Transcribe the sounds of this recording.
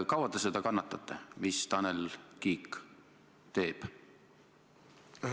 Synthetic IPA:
kɑwɑd̪esed̪ɑkɑnːɑt̪ːˑɑt̪ˑːemist̪ɑnelkiːkː | t̪e̞ːb̥

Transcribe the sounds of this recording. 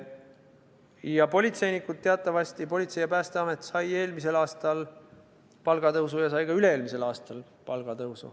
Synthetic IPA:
jɑpo̞lʲit̪se̞jnikːˑud̪̥̚t̪eɑt̪ˑːɑvɑsʲt̪ipo̞lʲit̪se̞jɑpæːst̪eɑme̞t̪ːˑsɑje̞ːlmise̞lɑːst̪ɑl | pɑlɡ̥ɑt̪ɤwsujɑsɑjkɑyleeːlmise̞lɑːst̪ɑl | pɑlɡ̥ɑt̪ɤwsṵ

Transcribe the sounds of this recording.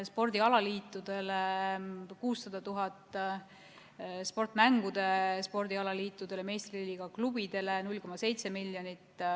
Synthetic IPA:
spo̞rd̪̥iɑlɑliːt̪ːˑud̪̥e̞le | kuːsːɑd̪̥ɑt̪uɦɑt̪ːˑ | spo̞rt̪ˑmæŋɡ̥ud̪̥e̞spo̞rd̪̥iɑlɑliːt̪ːˑud̪̥e̞leme̞ːst̪riliːɡ̥ɑklub̥id̪̥e̞lenulʲko̞mɑse̞jt̪se̞miljonit̪ː

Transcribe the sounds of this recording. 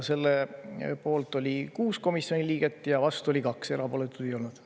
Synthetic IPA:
se̞lːepo̞ːlt̪ˑolʲikuːsko̞misio̞nʲiliːɡ̥et̪ːˑjɑvɑst̪uo̞lʲikɑkse̞ɾɑpo̞ːle̞t̪ːˑud̪̥e̞jo̞lnud̪̥

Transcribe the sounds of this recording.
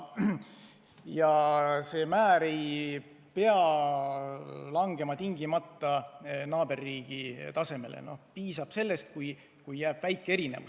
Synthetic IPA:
jɑse̞ːmæːɾe̞j | pe̞ɑ | lɑŋɡ̥e̞mɑt̪iŋɡ̥imɑt̪ːɑnɑːb̥e̞rːiːɡ̥it̪ɑse̞me̞̰lʔḛno̞̰hpiːsɑb̥se̞lːe̞st̪̚kuj | kujːæːb̥væjkːˑee̞ɾine̞̰vṵs

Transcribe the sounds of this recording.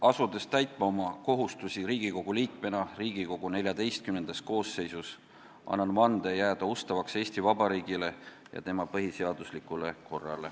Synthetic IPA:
ɑsud̪̥e̞st̪æjt̪ˑmɑo̞mɑko̞ɦust̪usiɾiːɡ̥iko̞ɡ̥uliːk̚me̞nɑriːɡ̥iko̞ɡ̥une̞lʲjɑd̪e̞jst̪̚kymnend̪ɑst̪̚ko̞ːsːe̞jsus | ʔɑ̰nːɑnmɑnd̪̥ejæːd̪̥ɑost̪ɑvɑkse̞ːsʲt̪ivɑbɑɾiːɡ̥ile̞ | jɑ̰t̪e̞mɑpɤɦise̞ɑd̪̥uslikːˑule̞ko̞rːɑ̰le̞

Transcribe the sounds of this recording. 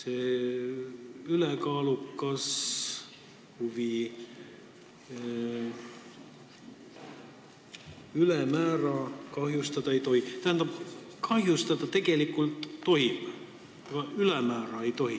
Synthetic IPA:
seː | ylekɑːlukːˑɑs | huvi | ylemæːɾɑkɑɦjust̪ɑd̪̥ɑejt̪o̞hit̪æɦænd̪̥ɑb̥kʰɑɦjust̪ɑd̪̥ɑt̪e̞ɡ̥e̞likːˑult̪ːo̞ɦim | ɑɡɑylemæːɾɑejt̪o̞ɦi

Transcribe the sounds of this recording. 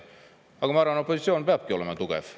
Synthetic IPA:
ɑˑkomɑɾɑnopːosit̪sionbeæp̚kiːo̰lemɑt̪ukḛf

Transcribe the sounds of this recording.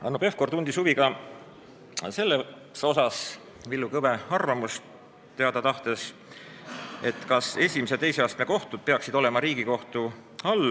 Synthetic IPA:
ɑ̰nope̞fko̞rt̪und̪̥isuviɡɑ | se̞lːe | so̞sɑs | vilːukɤve̞ɑrvɑmust̪ | t̪ːe̞ɑd̪ɑt̪ɑht̪e̞s | e̞t̪kɑse̞sʲimisee̞jseɑːst̪neko̞ht̪ud̪̥̚pe̞ɑksid̪̥o̞le̞mɑɾiːɡiko̞ht̪u | ɑl

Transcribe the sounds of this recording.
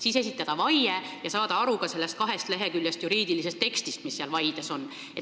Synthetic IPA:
siːse̞s̬ʲit̪ːˑɑd̪̥ɑvɑjejɑsɑːd̪̥ɑɑɾukɑse̞lːe̞st̪̚kɑɦe̞st̪le̞ɦekylʲjest̪juɾiːd̪̥ilise̞st̪ːe̞kst̪ist̪misːeɑlvɑjd̪̥eso̞nː | et

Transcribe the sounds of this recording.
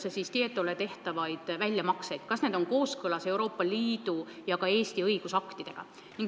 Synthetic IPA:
sesist̪iet̪ːˑolet̪e̞ht̪ɑvɑjd̪̥vælʲjɑmɑksejd̪̥kɑsne̞d̪oŋko̞ːskɤlɑse̞uɾo̞ːpːˑɑliːd̪̥ujɑkɑe̞ːst̪iɤjɡ̥usɑkt̪id̪̥e̞ɡ̥ɑ̰ | niŋ

